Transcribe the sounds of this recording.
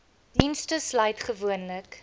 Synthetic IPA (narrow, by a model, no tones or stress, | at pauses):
d̥instəslœjtχəvuənlək